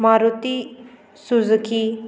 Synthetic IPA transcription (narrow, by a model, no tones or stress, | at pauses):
maɾut̪i | suzəkʰi